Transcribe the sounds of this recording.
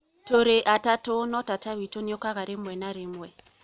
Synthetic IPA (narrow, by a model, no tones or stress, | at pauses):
toɾeʔatatʊnɔtataβitoniɔkaɣaɾɪmwɛnaɾɪmwɛ